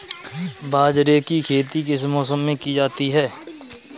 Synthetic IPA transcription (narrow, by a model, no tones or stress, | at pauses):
baːd͡ʒɾekikʰeːt̪ikɪsmɔːsəmːẽkid͡ʒaːt̪iɦɛː